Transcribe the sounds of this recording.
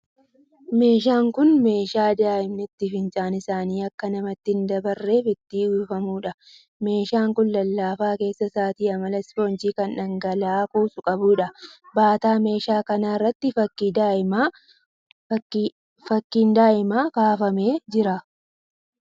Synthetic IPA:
me̞ːʃ̬aːŋkʊnme̞ːʃaːd̪aːʔɪmnɪt̪ːɪfɪnt͡ʃʼaːnɪsaːniːɐkːɐnɐmɐt̪ːɪnd̪ɐbɐrːe̞ːfɪt̪ːiːuːfɐmuːᶑɐ | me̞ːʃaːŋkʊnlɐlːaːfaːke̞ːsːɐsaːt̪iːɐmɐlɐsfo̞ːnt͡ʃiːkɐnᶑɐŋɡɐlaːkuːsʊkʼɐbʊᶑɐbaːt̪aːme̞ːʃaːkɐnaːɪrːɐt̪ːɪfɐkːid̪aːʔɪma | fɐkːiːnd̪aːʔɪmaːkaːfɐme̞ːd͡ʒɪɾɐ

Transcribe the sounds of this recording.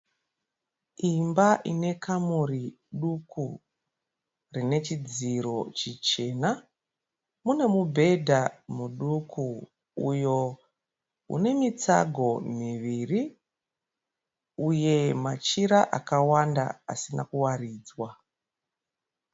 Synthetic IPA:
imbaʔine̞kʰamuri | ɗukʰu | rine̞t͡ʃid͡ziɾo̞t͡ʃit͡ʃe̞na | mune̞mubʱe̞dʱamuɗukʰu | ujo̞ | ṵne̞mit͡sa̰ɡʱo̞miʋiri | uje̞mat͡ʃiɾaʔakawanda̰a̰sinakuwariːd͡zwa

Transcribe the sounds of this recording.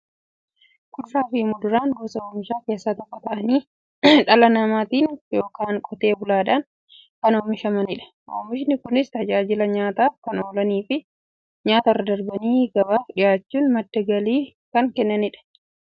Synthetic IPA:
kʊraːfiːmʊd̪ʊɾaːŋɡoːsɐoːmɪʃaːke̞ːsːaːt̪ɔkːɐt̪ɐʔɐniː | ᶑɐlɐnɐmaːt̪iːnjo̞ːkaːnkʼɔt̪e̞ːbʊlaːᶑaːn | kɐnoːmɪʃɐmɐnɪᶑɐ̥ | ʔo̰ːmɪʃ̬nɪkʊnɪst̪ɐd͡ʒaːd͡ʒɪlɐɲaːt̪aːfkɐno̞ːlɐniːfɪ | ɲaːt̪ɐrːɐd̪ɐɾbɐniːɡɐbaːfᶑɪjaːt͡ʃːuːnmɐd̪ːɐɡɐliːkɐŋkɛnːɐnɪᶑɐ̥

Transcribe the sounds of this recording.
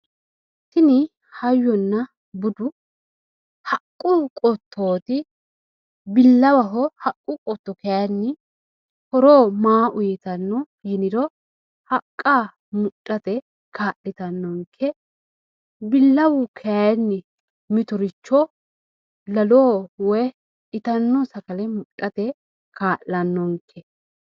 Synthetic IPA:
t̪ɪnɪ | hɐjːɔnːɐ | bʊd̪ʊ | hɐkʼːʊkʼɔt̪ʰːoːt̪ɪ | bɪlːɐwɐɦɔhɐkʼːʊkʼɔt̪ːɔkɛjanːɪ | hɔɾoːmaːʔʊjɛt̪ɐnːɔ | jɪnɪd̪ɔ | hɐkʼːaː | mʊɗʼːɐt̪ɛ | kʰaːʔɪt̪ɐnːɔŋkʰːɛ | bɪlːɐwʊkʰɛnːɪ | mɪt̪ɔɾɪt͡ʃːɔ | lɐloːwɔj | ɪt̪ɐnːɔsɐkɐlɛmʊɗʼɐt̪ɛ | kʰaːʔlɐnːɔŋkʰːɛ

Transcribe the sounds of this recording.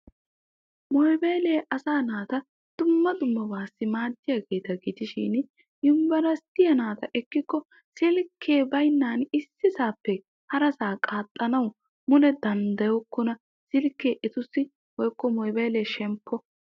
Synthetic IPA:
mɔjbeːleːʔɐsaːnaːt̪ɐ | d̪̥ʊmːɐd̪ʊmːɐbaːsːɪmaːd̪ːɪjaːɡe̞ːt̪ɐɡɪd̪ɪʃɪ̰n | ɪmbɐɾɐst̪ɪjɐnaːt̪ɐʔɛkːɪkːɔ | sɪlkʰːe̞ːbɐjnːaːnɪsːɪsaːpːɛ | hɐɾɐsaːkʼaːt̪ʼːɐnɐw | mʊlɛd̪ɐnd̪ɐjɔkːɔnɐ | sɪlkːeːʔɛt̪ʊsːɪ | wɔjkːɔmɔjbeːleːʃɛmpʰːɔ

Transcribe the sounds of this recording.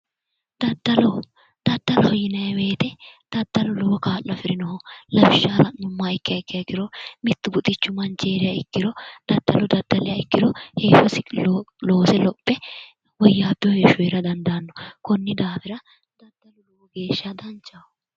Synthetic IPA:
d̪ɐd̪ːɐlɔ | d̪̥ɐd̪ːɐlɐhɔjɪnɐjɛwe̞ːt̪ɛd̪̥ɐd̪ːɐlɔlɔwɔkaːlːɐfɪɾɪnɔhɔlɐbɪʃːaːɾɐnːʊmːaɪkːɪjɐɪkːɪjɐɪkːɪɾɔmɪt̪ːʊbʊt̪ʼɪt͡ʃːʊmɐnt͡ʃeːɾɪjɐɪkːɪɾɔd̪̥ɐd̪ːɐlɔd̪ɐd̪ːɐlɛjɐɪkːɪɾɔheːfɐsɪlo̞ːsɛlɔpʼːɛ | wɔjːaːbɪɔheːʃʊweːɾɐd̪ɐnd̪aːnːɔkɔnːɪd̪aːfɪɾɐ | d̪̥ɐd̪̥ːɐlʊlɔwɔɡe̞ːʃːɐd̪ɐnt͡ʃːɐ

